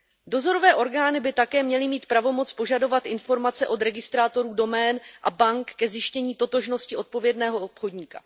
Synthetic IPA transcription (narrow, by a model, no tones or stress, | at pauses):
do̞zo̞ɾo̞vɛːʔo̞ɾɡaːnɪbɪt̪akɛːmɲɛlɪmiːt̪pɾavo̞mo̞t͡spo̞ʒado̞vat̪ʔɪnfo̞ɾmat͡sɛʔo̞d̪ɾɛɡɪst̪ɾaːt̪o̞ɾuːdo̞mɛːnʔabaŋkːɛzjɪʃcɛɲiːt̪o̞t̪o̞ʒno̞scɪʔo̞t̪̚po̞vjɛdnɛːɦo̞opxo̞dɲiːka̰